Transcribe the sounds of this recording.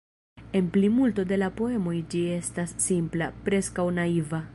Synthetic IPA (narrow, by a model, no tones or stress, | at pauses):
e̞nplimulto̞de̞lapo̞e̞mo̞jd͡ʒie̞stasːimplapɾe̞skawnaiva